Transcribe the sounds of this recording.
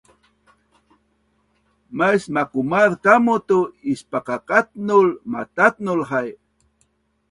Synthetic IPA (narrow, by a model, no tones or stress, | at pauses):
majsmakumaɾkamʊt̪uispaqaqat̪̚nʊlmat̪at̪̚nʊlɦaj